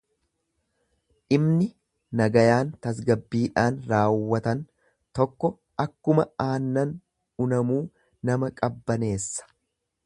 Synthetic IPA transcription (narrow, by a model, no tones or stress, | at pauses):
ʔɪmnɪ | nɐɡɐjaːnt̪ɐs̬ɡɐbːiːᶑaːnɾaːwːɐt̪ɐn | t̪ɔkːɔ | ʔɐkːʊmɐaːnːɐn | ʊnɐmuː | nɐmɐkʼɐbːɐne̞ːsːɐ̥